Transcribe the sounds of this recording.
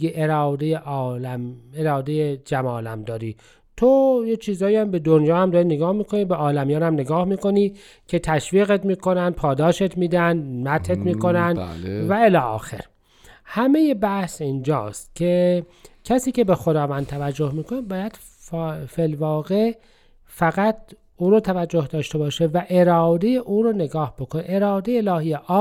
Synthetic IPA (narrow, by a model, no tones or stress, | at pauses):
ɡeʔeɾɑːd̪ejeʔlæmeɾɒːd̪ejed͡ʒæmɒːlæmd̪ɒːɾḭː | t̪ʰojet͡ʃʰiːzɒːiːæmbe̞d̪onjɒːhæmd̪ɒːɾineɡɒːhmiːkʰonibeɒːlæmijɒːnæmneɡɒːhmiːkoniː | cʰe̞t̪ʰæʃviːɣet̪miːko̞nænd̪̚pʰɒːd̪ɒːʃet̪ʰmiːd̪ænd̪mæt̪ʰet̪miːko̞nænd̪̰lvæelɒːɒ̰ːxḛɾ | hæme̞je̞bæhsind͡ʒɒ̰ːst̪cʰecʰæsiːce̞bexod̪ɒːvænd̪̚t̪ʰævæd͡ʒːohmiːkʰonebɒːjæd̪̥ | felvɒːɣe̞ | fæɣæt̪̚ʰ | uːɾoːt̪ʰævæd͡ʒːohd̪ɒːʃt̪e̞bɒːʃevæʔeɾɒːd̪ejeʔuːɾoːne̞ɡɒːhb̥okʰoneeɾɑːd̪ejeelɒːhijeʔɒːb